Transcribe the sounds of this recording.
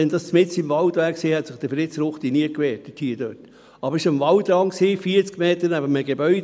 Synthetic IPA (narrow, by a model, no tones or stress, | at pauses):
ɛndɑst͡smɪt͡sɪmvɑldʋæːksiːhɛtsɪχd̥əfɾɪt͡sɾʊχt̪iniəkʋɛːt̚əthiːəd̥øt | ɑbəɾɪʃmvɑldɾɑŋksiːfiːət͡skmeːt̪ənæb̥əməɡebœʏ